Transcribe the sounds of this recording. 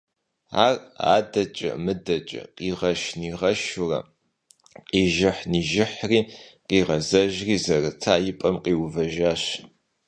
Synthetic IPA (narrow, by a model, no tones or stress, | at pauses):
aːra̰ːdɐt͡ʃʼɐ̰mɨdɐt͡ʃʼɐ̰qiːʁɐʃniːʁɐʃʊrɐ̰ | qʼiːʒɪħniːʒɪħriːqiːʁɐzɐʒriːzɐrɨtʰaːjɪpʼɐmqʼiːwvɐʒaːɕ